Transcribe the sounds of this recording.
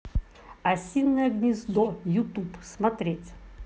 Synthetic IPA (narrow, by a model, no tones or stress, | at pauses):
ɐsʲilnʲːəjəɡnʲɪzd̪ɔjʊt̪upsmɐt̪ɾʲetʲ